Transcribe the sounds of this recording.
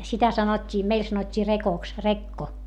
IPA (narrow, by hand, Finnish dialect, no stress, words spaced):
sitæ sɑnotʲːiː meil sɑnotʲːiː rekoks rekːo